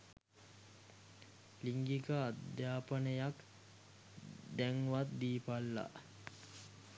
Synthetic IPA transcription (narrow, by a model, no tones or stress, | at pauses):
liŋɡikəad̪jaːpənəjak | d̪æŋʋat̪̚d̪iːpalːa̰